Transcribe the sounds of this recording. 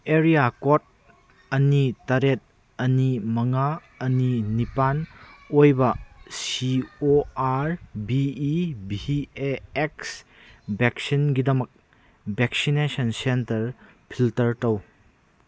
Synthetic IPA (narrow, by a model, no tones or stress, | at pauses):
eɾijakot̚ | ɐnitːɐɾet̚ | ɐnimɐŋa | ɐninipanojbɐsioaɾbiːbieeks | beksinɡidɐmɐk̚ | bʱek̚sinesɐnsentɐɾ | pʰiltɐɾtɐw